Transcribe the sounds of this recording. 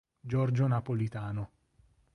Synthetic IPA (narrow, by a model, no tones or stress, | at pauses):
d͡ʒɔrd͡ʒonapolit̪aːno